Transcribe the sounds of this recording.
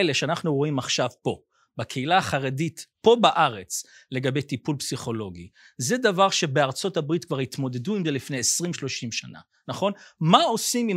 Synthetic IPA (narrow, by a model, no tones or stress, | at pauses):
eleʃeanaχnuʁo̞imaχʃavpo̞ | bakʰeilaːχaʁeditpo̞baʔaʁe̞t͡sle̞ɡabejtipulpsiχo̞lo̞ɡi | zedavaʁʃe̞beaʁt͡so̞tabʁitkvaʁit̪mo̞de̞duimzelifnejesʁimʃlo̞ʃimʃana̰ | naχo̞nmao̞simim